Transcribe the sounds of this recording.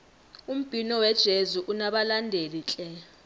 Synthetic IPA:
um̩b̥ʱinɔwɛd̥ʒ̥ʱezuʔunaɓalandʱelit͡ɬʼɛ

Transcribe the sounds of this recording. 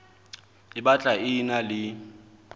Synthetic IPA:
ɪbat͡ɬʼaɪnalɪ

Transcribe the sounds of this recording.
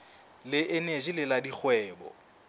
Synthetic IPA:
lɪʔɪned͡ʒilɪladik͡xʰwɛːbɔ̰

